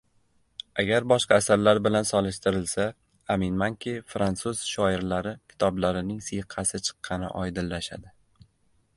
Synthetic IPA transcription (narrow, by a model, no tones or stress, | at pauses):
aɡʲaɾbɒʃqɑːsaɾlaɾbɪlansɒlˠɪʃt̪ɪɾɪlsa | amɪnmaŋkʲʰifɾant̪suz̥ʃɒɪɾlaɾɪkʲʰɪ̥t̪ʰɒblaɾɪnɪŋsɨjqʰɑsɪt͡ʃʰɨ̥qʰːɑnɪ̰ʔɒjd̪ɪlːaʃa̰d̪ɪ